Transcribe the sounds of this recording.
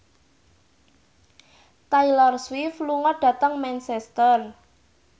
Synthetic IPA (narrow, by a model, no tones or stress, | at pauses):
t̪ajlɔrswifluŋɔɖ̥ä̤t̪əŋmɛnsɛst̪ər